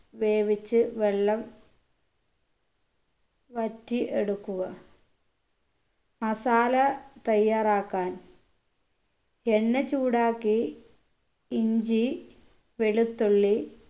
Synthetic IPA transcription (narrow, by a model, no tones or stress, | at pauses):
ʋeːʋit͡ɕːɨʋeɭːɐm | ʋɐtːiʔeɽukːuɣɐ | mɐsaːlɐt̪ɐjːaːraːkːaːn | eɳːɐt͡ɕuːɽaːkːi | ɲd͡ʑi | ʋeɭut̪ːuɭːi